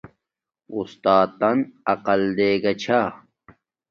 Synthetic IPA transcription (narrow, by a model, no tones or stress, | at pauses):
ust̪aːt̪ːɐnɐqɐld̪eːɡɐt͡ɕʰa